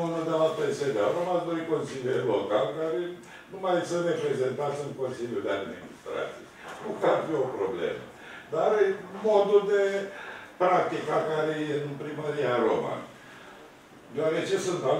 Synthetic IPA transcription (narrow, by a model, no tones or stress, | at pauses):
unəd̪elapensed̪ea̰ɾomad̪ojko̞nsilʲjejlo̞kalkaɾe | numajsəɾepɾe̞ze̞nt̪at̪sɨnko̞nsilʲjud̪ead̪mḭnḭst̪ɾa̰t̪sḭjnukarfio̞pɾoblḛmə̰ | d̪aɾmod̪uld̪epɾak̚t̪ikakaɾejeɨnpɾiməɾiaɾo̰ma̰ | d̪eoaɾet͡ʃesunt̪a